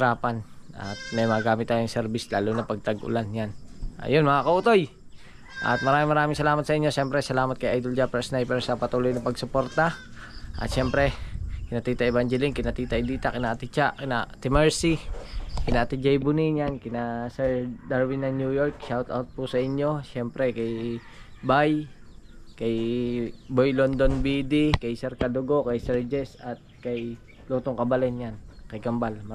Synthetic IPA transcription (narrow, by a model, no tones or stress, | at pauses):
ɾaːpanʔɐ̰t̪̚mɐjmɐaɡaːmɪt̪ːaːjoŋsɛɾbislaːlʊnɐpɐɡ̚t̪ɐɡʔʊ̰lanjanʔa̰jonmɐŋakɐuːt̪o̞j | ʔɐ̰t̪̚mɐɾaːmɪŋmɐɾaːmɪŋsɐlaːmɐt̪sɐɪɲːoʃɛmpɾɛsɐlaːmɐt̪̚kɐjʔajd̪old͡ʒapɛsnajpɛɾsɐpɐt̪uːlojnɐpɐɡsʊpoɾt̪aʔɐ̰t̪ʃɛmpɾɛkɪnat̪iːt̪aʔɛbaŋd͡ʒɛliŋkɪnat̪iːt̪aʔɪd̪iːt̪akɪnaʔt̪it͡ʃakɪnat̪ɪmɛɹsikinaːt̪id͡ʒajbuniɲankinasɛɾd̪aɾwinanjujɔrk̚ʃat̪a̰ut̪̚pusaiɲːosɛmpɾɛkaj | baj | kaj | bojlɔnd̪onbidikajsɛrkad̪oɡokajsɛrd͡ʒɛsat̪̚kaj | lot̪uŋkabalɛnɲankajɡambalma